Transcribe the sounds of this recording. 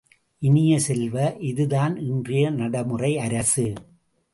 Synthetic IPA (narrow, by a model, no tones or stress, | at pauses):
ʔɪnɪjɐsɛlʋɐʔɪðɯðaːnɪndrɪjɐnɐɽɐmɯrɐɪɐɾɐsɯ